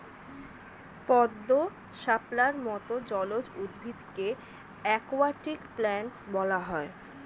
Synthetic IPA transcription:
pɔd̪ːo | ʃaplaɾmɔt̪od͡ʑɔlod͡ʑud̪bʱid̪ke | ɛkoaʈikplɛɳʈsbɔlaɦɔe

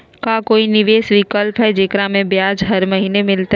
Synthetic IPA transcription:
kãkoːinɪʋeːsʋikəlpaɦed͡ʑeːkɾãmẽbjaːd͡ʑɦɐɾmɐɦiːnemɪlt̪a

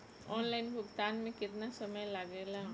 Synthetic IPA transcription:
ɔːnlaːɪnbʱʊɡt̪aːnmẽkɪt̪nasəməjlaɡeːla

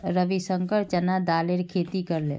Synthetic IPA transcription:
ɾəbisəŋkəɾt͡ʃənad̪aleɾkʰet̪ikəɾlḛ

